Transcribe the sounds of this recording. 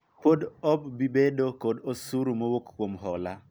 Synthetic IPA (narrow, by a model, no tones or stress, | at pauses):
kodɔbbibedokodosuɾumowokkːwomɦɔla